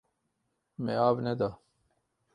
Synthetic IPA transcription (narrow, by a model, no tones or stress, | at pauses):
meaːbned̪a